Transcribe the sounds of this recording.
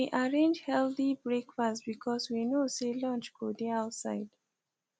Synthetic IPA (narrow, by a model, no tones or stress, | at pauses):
iʔaɹẽnd͡ʒhɛlθibɹekfasbikʰɔswinoselɔ̃nt͡ʃɡ̥odiaʊtsa̰ɪd̥